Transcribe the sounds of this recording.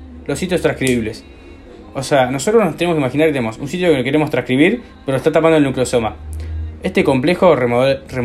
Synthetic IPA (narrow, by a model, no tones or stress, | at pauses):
losit̪̬jost̪ɾãskɾiβiβles | oseano̞sot̪ɾosnost̪eneoskimaxinaɾket̪enemosunsit̪jo̞keokeɾemost̪ɾãhkɾiβiɾ | peɾoest̪at̪ap̬andolnukleoso̞maest̪eko̞mple̞xore